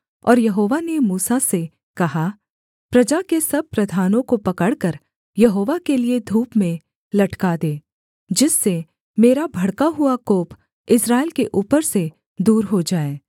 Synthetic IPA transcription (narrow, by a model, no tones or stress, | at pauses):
ɔ̰ːɾjɐɦoːʋanemuːsase | kɐɦa | pɾɐd͡ʒakesɐb̚pɾɐd̪ʱaːnõkopɐkəɽkəɾ | jɐɦoːʋakelied̪ʱuːpmẽ | lɐʈkad̪eː | d͡ʒɪsːe | meːɾabʱɐɽkaɦuakoːp | ɪsɾaːɪlkeʔuːpəɾse | d̪uːɾɦod͡ʒaːeː